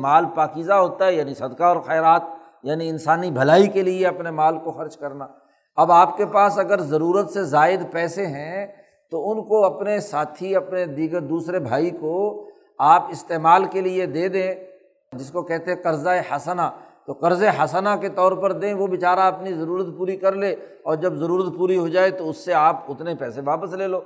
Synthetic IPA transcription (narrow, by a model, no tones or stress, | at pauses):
maːlpaːkiːzaɦoːt̪aɦɛjaːnisɐd̪kaɔːɾxɛːɾaːt̪̚ | jaːniɪ̃nsaːnibʱɐlaːikelieɐpnemaːlkoxɐɾd͡ʒkɐɾnaː | ɐbaːpkepaːsɐɡəɾzɐɾuːɾət̪sezaːɪd̪pɛːseɦɛ̃ | t̪oʊnkoɐpnesaːt̪ʰiɐpned̪iːɡəɾd̪uːsɾebʱaːiko | aːpɪst̪eːmaːlkelied̪eːd̪ẽː | d͡ʒɪskokɛɦt̪ẽɦɛ̃qɐɾzaehɐsnat̪oqɐɾzeɦɐsanaket̪ɔːɾpɐɾd̪ẽːʋoʋɪt͡ʃaːɾaɐpnizɐɾuːɾət̪puːɾikɐɾleː | ɔːɾd͡ʒɐbzɐɾuːɾət̪puːɾiɦod͡ʒaːet̪oʊsːeaːpʊt̪nepɛːsẽʋaːpəsleːloː